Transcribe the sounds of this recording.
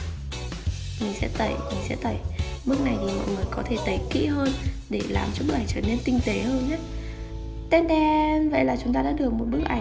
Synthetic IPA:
mï˨˩ŋ̟sɛ̰˧˥t̪ə˧˩jmi˨˩ŋ̟sɛ̰˧˥t̪ə˨˩˦jmɨ˦˥ək̚na˨˩jtaː˨˩mɔ̰˧˨jŋɨ˨˩əjkɔ˨˦t̪ʰe˧˩t̪ə˨˦jkḭ˧˨ɦəː˧n | ɗe˧˩la̰ː˨˩mt͡ɕɔ˧ɓɨ˦˥k̚ʔa˨˩jt͡ɕəː˧˩ne˧nk̪ï˧ŋ̟t̪e˨˦həː˧nɲaː˦˥ | t̪e˦˥nɗɛ˧nvə̰˧˨jlaː˨˩t͡ɕʊ˨˦ŋ͡mt̪aː˧a̰ː˧˥ɗɨ˨˩ək̚mo˨˩t̚ɓɨ˦˥ək̚ʔa˨˧˩

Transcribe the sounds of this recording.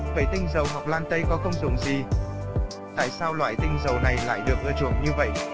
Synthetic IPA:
və̰˧˨˩jt̪ï˧ŋ̟zə˨˩wɦa˨˩wk͡p̚laː˧nt̪ə˧jkɔ˨˦xə˧wŋ͡mzʊ˨˧˩ŋ͡mzi˨˩ | t̪a̰ː˧˨jsaː˧wlwa̰ː˧˨jt̪ï˧ŋ̟zə˨˩wna˨˩jla̰ː˧˨jɗɨ˨˩ək̚ʔɨː˧t͡ɕṵ˧˩əŋɲɨ˧və̰˧˨jʔ

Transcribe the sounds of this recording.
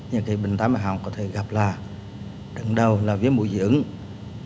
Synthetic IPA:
ɲɨ˧˩ki˨˦ɓï˨˩ŋ̟t̪aː˨˦ma˨˩ɦa̰˧˨wŋ͡mkɔ˨˦t̪ʰe˧˩ɣa˨˩p̚laː˨˩ | ɗə˧˩ŋɗə˨˩wlaː˨˩vi˨˦mṵ˧˨zḭ˧˨ʔɨ˨˦ŋ

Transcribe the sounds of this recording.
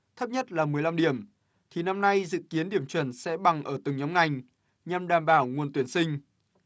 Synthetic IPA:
t̪ʰə˦˥p̚ɲə˦˥t̚laː˨˩mɨ˨˩əjla˧mɗi˧˩əm | t̪ʰi˨˩na˧mna˧jzɨ̰˧˨ki˨˦ənɗi˧˩əmt͡ɕwə˧˩nsɛ̰˧˥ɓa˨˩ŋʔəː˧˩t̪ɨ˨˩ŋɲɔ˨˦wŋ͡mŋa˨˩jŋ̟ | ɲa˨˩mɗaː˨˩mɓaː˧˩wŋu˨˩ənt̪wi˧˩ənsï˧ŋ̟

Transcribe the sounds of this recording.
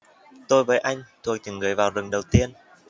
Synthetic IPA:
t̪o˧jvəː˨˦jʔa˧jŋ̟t̪ʰu˨˩ək̚t͡ɕɨ˧˩ŋɣɨː˨˩˦jvaː˨˩wzɨ˨˩ŋɗə˨˩wt̪i˧ən

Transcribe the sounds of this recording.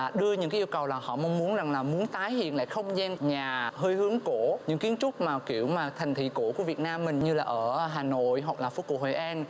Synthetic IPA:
ɗɨ˧əɲɨ̰˧˥kaː˨˦ʔi˧ə˧wkə˨˩wlaː˨˩hɔ̰˧˨ma˧wŋ͡mmu˨˦ənza˨˩ŋlaː˨˩mu˨˦ənt̪aː˨˦jhḭ˧˨nla̰ː˧˨jxə˧wŋ͡mzɛ˧nɲaː˨˩ɦəː˧jhɨ˨˦əŋko˧˩˨ɲɨ̰˧˥ŋki˨˦ənt͡ɕʊ˦˥k͡p̚maː˨˩ki˧˩əwmaː˨˩t̪ʰa˨˩jŋ̟t̪ʰḭ˧˨ko˧˩˥ku˧˩əvi˨˩ət̚naː˧mːï˨˩ŋ̟ɲɨ˧laː˨˩ʔəː˧˩ɦaː˨˩no̰˧˨jɦwa˨˩k̚laː˨˩fo˨˧˦kṵ˧˩ho˧˨˩jʔɛ˧n

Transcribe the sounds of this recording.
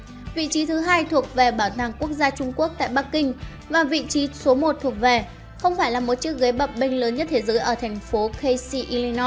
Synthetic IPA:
vḭ˧˨t͡ɕi˨˦t̪ʰɨ˨˦ɦaː˧jt̪ʰu˨˩ək̚ve˨˩ɓaː˧˩wt̪aː˨˩ŋku˦˥ək̚zaː˧t͡ɕʊ˧ŋ͡mku˦˥ək̚t̪a̰ː˧˨jɓa˦˥kkï˧ŋ̟ | vaː˨˩vḭ˧˨t͡ɕi˨˦so˨˦mo˨˩t̚t̪ʰu˨˩ək̚ve˨˩ | xə˧wŋ͡mfaː˧˩jlaː˨˩mo˨˩t̚t͡ɕɨ̰˦˥k̚ɣə˨˦jɓə˨˩p̚ɓï˧ŋ̟ləː˨˦nɲə˦˥t̚t̪ʰe˨˦zəː˨˦jʔəː˧˩t̪ʰɛ˨˩jŋ̟fo˨˦kə˧jsi˧ʔi˧li˧nɔ˦

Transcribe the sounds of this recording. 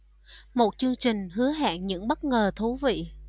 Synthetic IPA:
mo˨˩t̚t͡ɕɨ˧əŋt͡ɕï˨˩ŋ̟ɦɨ˨˦əɦa̰ː˧˨nɲɨ̰˧˥ŋɓə˦˥t̚ŋəː˨˩t̪ʰu˨˦vḭ˧˨

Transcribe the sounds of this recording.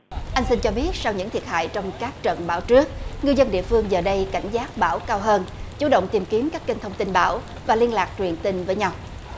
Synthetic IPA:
ʔa˧ŋ̟si˧nt͡ɕɔ˧ɓi˦˥ət̚sa˧wɲɨ̰˧˥ŋt̪i˨˩ət̚ha̰ː˧˨jt͡ɕɔ˧wŋ͡mkaː˦˥k̚t͡ɕə̰˧˨nɓaː˧˩wt͡ɕɨ˦˥ək̚ŋɨ˧jzə˧nɗḭ˧˨əfɨ˧əŋzəː˨˩ɗə˧jka˧˩jŋ̟zaː˦˥t̚ɓaː˧˩wkaː˧wɦəː˧nt͡ɕu˧˩˦ɗo̰˧˨wŋ͡mt̪i˨˩mki˨˦mkaː˦˥kki˧ŋ̟t̪ʰə˧wŋ͡mt̪i˧nɓa̰ː˧˩w | vaː˨˩li˧ənlaː˨˩k̚t͡ɕwi˨˩ənt̪i˧ŋ̟vəː˨˦jɲa˧w

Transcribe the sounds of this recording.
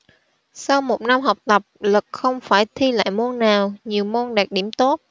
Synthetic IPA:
sa˧wmo˨˩t̚na˧mɦa˨˩wk͡p̚t̪ə˨˩p̚lɨ˨˩k̚xə˧wŋ͡mfaː˧˩jt̪ʰi˧la̰ː˧˨jmo˧ənːaː˨˩wɲi˨˩əwmo˧nɗaː˨˩k̚ɗi˧˩əmt̪o˦˥t̚

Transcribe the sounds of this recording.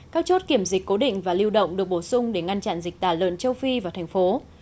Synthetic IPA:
kaː˦˥k̚t͡ɕo˦˥t̚ki˧˩əmzi˨˩k̟̚ʲko˨˦ɗḭ̈˧˨ŋ̟vaː˨˩li˧əwɗə̰˧˨wŋ͡mɗɨ˨˩ək̚ɓo˧˩sʊ˧ŋ͡mɗe˧˩ŋa˧nt͡ɕa̰˧˨nzi˨˩k̚t̪aː˧˩lwə̰ː˧˨nt͡ɕə˧wfi˧vaː˨˩t̪ʰɛ˨˩ŋ̟fo˨˦

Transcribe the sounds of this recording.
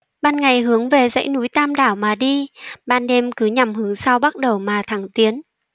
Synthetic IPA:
ɓaː˧nŋa˨˩jɦɨ˨˦əŋve˨˩zə̰˧˥jnu˨˦jt̪aː˧mɗaː˧˩wmaː˨˩ɗi˧ɓaː˧nɗe˧mkɨ˨˦ɲa˨˩mhɨ˨˦əŋsa˧wɓa˦˥t̚ɗə˨˩wmaː˨˩t̪ʰa˧˩ŋt̪i˨˦ən

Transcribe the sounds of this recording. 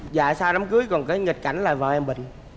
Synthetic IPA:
za̰ː˧˨saː˧wɗa˨˦mkɨ˨˦əjkɔ˨˩nkaː˨˦jŋi˨˩t̚ka˧˩jŋ̟laː˨˩vaː˨˩ʔɛ˧mɓḭ̈˧˨ŋ̟

